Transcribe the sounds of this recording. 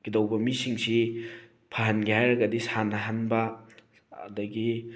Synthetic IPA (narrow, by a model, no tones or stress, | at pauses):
ɡ̥idɐwbɐmisiŋsi | pʰaɦanɡihajɾɐɡɐdisʰanɐɦanbɐ̰ː | dɐɡi